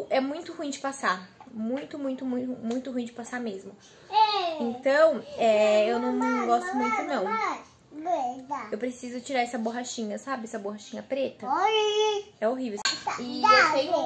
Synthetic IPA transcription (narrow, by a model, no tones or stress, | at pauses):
ʔɛmũj̃t̪ʊhuĩd͡ʒɪpasamũj̃t̪ʊmũj̃t̪ʊmũj̪̃ʊmũj̃t̪ʊɦuĩd͡ʒɪpasamezmʊ | ɛẽnt̪ɐ̃w̃ɛewnɐ̃w̪̃ɡɔst̪ʊmmũt̪ʊ̃nɐ̃w̃ | d̪aewpɾesizʊt͡ʃiɾaɾɛsɐboɦaʃĩɲɐsabɪɛsɐboɦaʃĩɲɐpɾet̪ɐ | ɛoɦivewɪewt̪ẽjʊ